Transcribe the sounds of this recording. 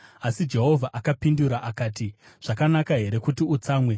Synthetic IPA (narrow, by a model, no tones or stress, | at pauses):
asid͡ʒe̞ɦo̞vʱaʔakapinduɾaʔakaːti | ʐ̥akanakaɦe̞ɾe̞kutiut͡saːmwe̞